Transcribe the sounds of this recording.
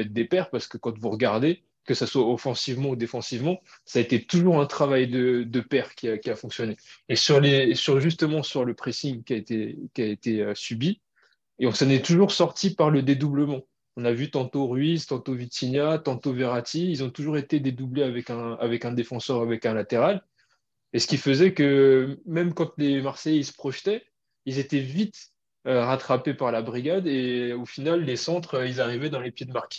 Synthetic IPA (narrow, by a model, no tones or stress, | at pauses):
ɛt̪̚d̪epɛʁpaʁsə̥kəkɑ̃t̪vuʁəɡaʁd̪e | kəsaswaɔfɑ̃sivmɑ̃ud̪efɑ̃sivmɑ̃ | saːet̪et̪uʒuʁɛ̃t̪χavajd̪əd̪əpɛʁkʲiakʲiafɔ̃ksjɔneːsyʁlesyʁʒys̬t̪əmɑ̃syʁləpχesiŋkʲiaet̪ekʲiaet̪eøsybi | eɔ̃sɔnɛt̪uʒuʁsɔʁt̪ipaʁləd̪ed̪ubləmɑ̃ | ɔ̃navyt̪ɑ̃t̪oʁɥizt̪ɑ̃t̪ovit̪injat̪ɑ̃t̪oveʁat̪iilzɔ̃t̪uʒuʁet̪ed̪ed̪ubleavɛkɛ̃avɛkɛ̃d̪efɑ̃sœʁavɛkɛ̃lat̪eʁal | esə̥kʲifəzɛkəmɛmkɑ̃t̪lemaʁsɛjisə̥pχɔʃt̪ɛ | ilzet̪ɛvit̪ | øʁat̪χapepaʁlabʁiɡʲad̪eofinalːesɑ̃t̪χøilzaʁivɛd̪ɑ̃lepjed̪əmaʁkʲi̥